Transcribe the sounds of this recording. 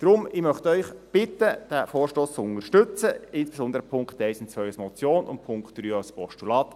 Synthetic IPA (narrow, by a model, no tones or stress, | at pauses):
d̥ɾʊmɪmœχt̪œʏχb̥ɪtːəd̥æfoːrʃtoːst͡sʊnəʃtɵt͡səɪnsb̥esɔnd̪əɾəpʰʊŋkt̪ɛɪsɪnt͡sʋœʏasmɔt͡sjoːnʊ̰npʰʊŋkt̚d̪̥ɾyːaspʰɔʃtulɑːt̪